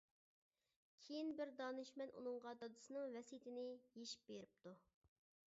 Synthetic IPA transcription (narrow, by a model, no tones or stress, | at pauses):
kʲʰejinbɪɾd̪ɑːnɨʃmɛnʔṵnɨŋʁɑd̪ɑd̪ɨsɨnɨŋvɛsijt̪ʰɪnɪjeʃi̥p̚beɾɪp̚t̪ʰu